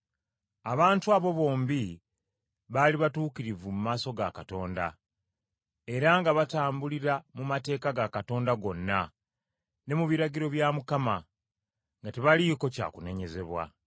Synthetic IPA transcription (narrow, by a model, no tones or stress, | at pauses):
aβaːntuaβo̞βo̞ːmbi | βaliβatuːkiɾivumumaːso̞ɡakato̞ːnda̰ | e̞ɾaŋɡaβataːmbuliɾamumate̞ːkaɡakato̞ːndaɡo̞nːa | ne̞muβiɾaɟiɾo̞βjamukama | ŋɡateβaliko̞ca̰ːkune̞ɲe̞ze̞βwa̰